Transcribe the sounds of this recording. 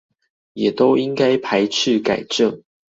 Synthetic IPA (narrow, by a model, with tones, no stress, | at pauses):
jɛ˨˩t̪o˦ʊi˦ŋka˥ɪpʰa˧˦ɪʈ͡ʂ̩ʰ˥˨ka˨˩ɪʈ͡ʂə˥˨ŋ